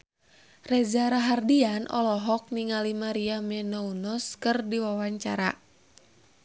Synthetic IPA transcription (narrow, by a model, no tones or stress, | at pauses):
rɛd͡ʒaɾaɦardianʔɔ̰lɔɦɔk̚niŋalimaɾiamɛnɔunɔskɨrdiwawaɲt͡ʃa̰ɾa̰